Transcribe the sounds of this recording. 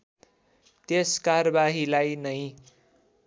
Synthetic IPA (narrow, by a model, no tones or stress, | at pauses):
t̪eskarʌbaɦilajnʌj̃